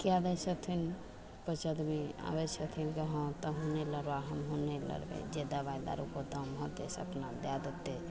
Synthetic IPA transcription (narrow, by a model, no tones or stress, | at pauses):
kiabɛsət̪ʰin | pət͡ʃəd̪mia̰bɛsʰət̪ʰinkəɦə̃t̪ɔɦuneləɾbaɦəmɦunelə̰ɾbḛd͡ʒed̪əbajd̪a̰ɾṵkod̪əmɦət̪d̪ḛsə̰pnad̪jad̪ət̪ːe